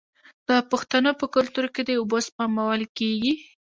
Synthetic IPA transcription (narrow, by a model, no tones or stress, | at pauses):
d̪̥əpʊxt̪anəpəkʊlt̪uɾked̪əʊbospamawəlkeɡi